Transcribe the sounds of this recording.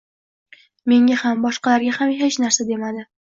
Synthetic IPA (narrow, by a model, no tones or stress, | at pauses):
me̞ŋʲahambɒʃqɑlaɾɡʲahamɦet͡ʃnaɾsad̪e̞mad̪ɪ